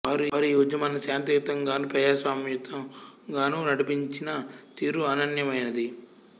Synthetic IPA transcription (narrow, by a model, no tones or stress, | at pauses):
aːɾuːɾuiud͡ʒɐmɐnɐsjaːnt̪ijut̪ɐŋɡaːnuːpɾɐd͡ʒaːsʋaːmjut̪ʰːɐmɡaːnuːnɐɽipiɲt͡ʃinɐt̪iːɾuanɐnjɐmɐjnɐd̪i